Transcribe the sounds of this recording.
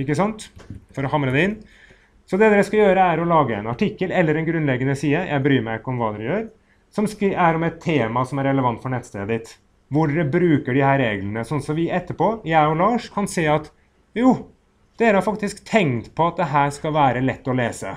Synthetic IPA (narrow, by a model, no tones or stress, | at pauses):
ɪkːəsɑnt̪fɔɾɔhɑmːɾəd̪ɛɪnː | sɔd̪ɛd̪ɛːɾəskɑjøːɾəæɾɔlɑːɡəɛnɑʈɪkːəlɛlːəɾɛnɡɾʉnlɛɡːənəsiːəjʔæ̰ɪbɾyːmæɪkɔmʋɑːd̪ɛɾəjøːɾ | sɔmskːæɾɔmɛt̪ʰːeːmɑsɔmæɾɛləʋɑnt̪fɔɳɛt̪ːst̪eːəd̪ɪt̪ | ʋʊɖɛɾəbɾʉːkəɖɪhæːɾeːɡlənəsɔnːsɔmʋɪɛt̪ːəpʰoːjæɪɔlɑːʂkʰɑnseːɑt̪ | juː | d̪̥eːɾəhɑɾfɑkt̪ɪskt̪ʰɛŋkt̪pʰɔɑt̪̚d̪ɛɦæːʂkɑʋæːɾəlɛt̪ːɔleːsə̰